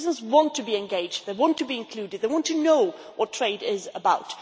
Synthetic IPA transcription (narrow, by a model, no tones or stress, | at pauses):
zə̃nzwɑ̃ntʰɨbiɨ̃nɡeɪd͡ʒdðeɪwɑ̃ntʰɨbiɨ̃nkʰl̥ʉdɨd̪̚ðeɪwɑ̃ntʰɨnoʊ | wʔʌtʰɹ̥eɪɾɪzəbaʊt